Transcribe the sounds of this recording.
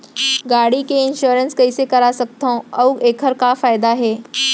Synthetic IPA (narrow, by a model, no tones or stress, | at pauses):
ɡaːɽikeɪnʃuɾənskɐisekɐɾasɐk̚t̪ʰaõɐweːkʰəɾkafaːɪd̪aɦeː